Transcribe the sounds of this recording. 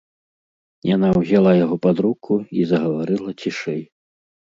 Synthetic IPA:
janawzʲalˠajaɣɔpad̪ɾukʰuizɐɣɐvaɾɨlˠɐt͡sʲiʂɛj

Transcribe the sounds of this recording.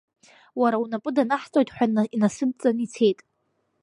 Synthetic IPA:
waɾaunapʼɨdanaħt͡sʼojtʼħʷᶣainasɨb̚t͡sʼanit͡sʰe̞jtʼ

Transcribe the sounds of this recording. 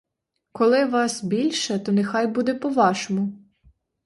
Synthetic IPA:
kɔlˠɪʋɑsbʲilʲʃɛt̪ɔnexɑjbud̪ɛpɔʋɑʃɔmʊ

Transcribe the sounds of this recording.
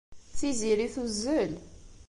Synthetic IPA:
t͡sːiziɾiθuzːəl

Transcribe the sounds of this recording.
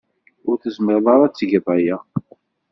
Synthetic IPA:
ʊɾθəzməɾðˤɑɾˤɑt͡sːʝðˤæjæ

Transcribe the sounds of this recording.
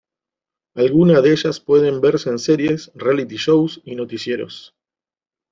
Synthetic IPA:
alɣunaðeʃaspwe̞ð̞embe̞ɾseːnse̞ɾje̞srealit̪iʃo̞wsino̞t̪isje̞ɾo̞̰s

